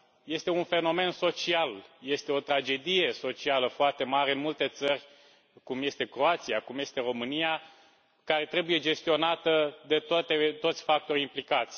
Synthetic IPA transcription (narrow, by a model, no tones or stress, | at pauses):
je̞st̪e̞unfe̞no̞me̞nso̞t͡ʃialje̞st̪e̞o̞t̪ɾad͡ʒe̞d̪ije̞so̞t͡ʃialəfoart̪e̞maɾeɨnmult̪e̞t̪sərʲ | kumje̞st̪e̞kɾo̞at̪sijakumje̞st̪e̞ɾo̞mɨnija | kaɾe̞t̪ɾe̞buje̞d͡ʒe̞st̪io̞nat̪əd̪e̞t̪oat̪e̞t̪o̞t̪sʲfak̚t̪o̞rʲimplikat̪sʲ